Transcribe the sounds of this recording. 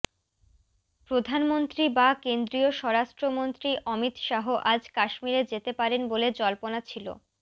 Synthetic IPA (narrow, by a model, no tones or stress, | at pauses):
pɾod̪ʱanmont̪ɾibakend̪ɾioʃɔɾaʃʈɾomont̪ɾiʔɔmit̪ʃaɦoʔad͡ʑkaʃmiɾed͡ʑet̪epaɾenboled͡ʑɔlponat͡ɕʰilo̰